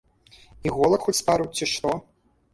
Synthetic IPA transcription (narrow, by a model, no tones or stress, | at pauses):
iɣɔlˠɐkxɔt͡sʲspaɾuwt͡sʲːiʂt̪ɔ